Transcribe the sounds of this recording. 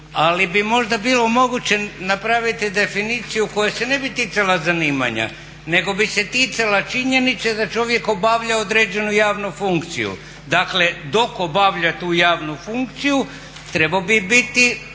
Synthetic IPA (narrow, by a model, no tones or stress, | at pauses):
alibimo̞ʒd̪abiːlˠo̞mo̞ɡut͡ɕe̞napɾaʋit̪id̪e̞finiːt̪sijuko̞jase̞ne̞bit̪iːt̪salazaniːma̰ɲa̰ | ne̞ɡo̞bise̞t̪iːt̪salat͡ʃiɲe̞nit̪sed̪at͡ʃo̞ʋje̞ko̞baːʋʎaod̪ɾe̞ːd͡ʑe̞nujaːʋnufuŋkt̪sḭjṵ | d̪akle̞d̪o̞kobaʋʎat̪uːjaːʋnufuŋkt̪siju | t̪ɾe̞baobibit̪i